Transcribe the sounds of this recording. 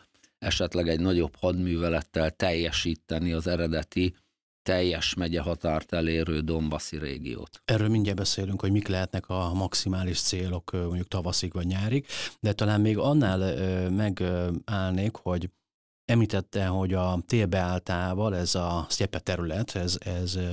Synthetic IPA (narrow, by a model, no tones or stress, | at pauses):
ɛʃɛt̪lɛɡɛɟnɒɟo̞phɒd̪myːvɛlɛt̪ːɛlt̪ɛjːɛʃiːt̪ːɛniɒzɛɾɛd̪ɛt̪i | t̪ɛjːɛʃmɛɟɛɦɒt̪aːrt̪ɛleːɾøːd̪o̞mbɒsiɾḛːɡḭjo̰ːt̪ɛrøːlmiɲɟɛlbɛseːlyŋkho̞ɟmiklɛɦɛt̪nɛkʰɒmɒksimaːliʃt̪seːlo̞kmoɲɟuk̚t̪ɒvɒsikʋɒɟɲaːɾikd̪ɛt̪ɒlaːmmeːɡɒnːaːlmɛɡaːlneːkho̞ɟ | ɛmliːt̪ɛt̪ːɛɦo̞ɟɒt̪eːlbɛaːlt̪aːvɒlɛzɒsɛpɛt̪ɛɾylɛt̪ʰɛzɛz